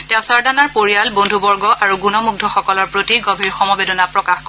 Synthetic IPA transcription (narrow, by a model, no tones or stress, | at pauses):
tɛ̃ʊ̃saɹdanaɹpoɹijalbondʱubɔɹɡɔʔaɹuɡunɔmuɡ̚dʱɔxɔkɔlɔɹpɹotiɡobʱiɹxɔmɔbedɔnapɹɔkaxk